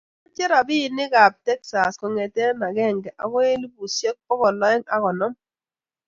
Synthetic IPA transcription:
a˦t͡ʃɛ˦ɾa˨bɪ˦˨nɪ˦ɡa˨p̚tɛ˦ksa˨skɔ˨ŋɛ˨tɛ˦na˨ɡɛ˦˨ŋɡɛ˨ʔa̰˨˦ŋɔ˦li˦bu˨sje˦k̚pɔ˦kɔ˨lɔ˦ɪ˦ŋa˦kɔ˨nɔ˦m

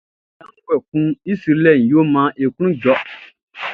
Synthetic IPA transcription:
a˦wɛ˨kũ˦i˦si˨ɾlɛ˦˨n˨jo˦mã˦ʔe˨ku˦ũ˦d͡ʒɔ˨˦

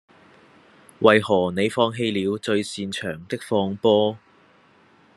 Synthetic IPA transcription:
wɐ˨jhɔː˨˩ne˨˧jfɔː˧ŋɦe˧jliː˨˧wt͡ʃɵ˧ɥsiː˧nt͡ʃʰœː˨˩ŋt̪ɪ˥k̚fɔː˧ŋpɔː˥

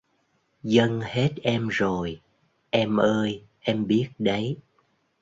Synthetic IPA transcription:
zə˧ŋhe˦˥t̚ʔɛ˧mzo˨˩j | ʔɛ˧mʔəː˧j | ʔɛ˧mɓi˦˥ət̚ɗə˨˦j

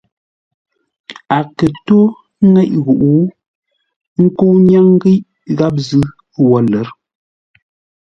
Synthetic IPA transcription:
a˨kə˨to˦ | ŋɛ˦ʔɣu˨ʔu˨˦ | ŋ̩˦ko˦wɲa˦ŋ˦ɣi˦ʔ | ɣa˦p̚zɨ˦ | wɔ˨lə˨˦ɾ

